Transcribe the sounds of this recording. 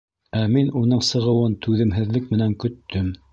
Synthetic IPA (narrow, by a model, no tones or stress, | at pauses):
æminunɤɴsɤ̆ʁɤ̆wɤnt̪ʉðɘ̆mɦɘ̆ðlɘkmɘ̆næŋkɵ̆t̪ʰːɵm